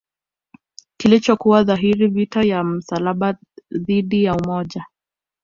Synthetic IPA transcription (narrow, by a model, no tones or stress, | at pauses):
kilit͡ʃɔkuwaðaɦiɾivitajam̩salaɓa | ðiɗijaumɔʄa